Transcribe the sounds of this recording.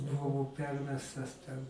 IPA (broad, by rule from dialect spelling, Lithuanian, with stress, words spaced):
bʊˈʋɐʊ ˈpʲɛrʲmʲɛstɐs tʲɛn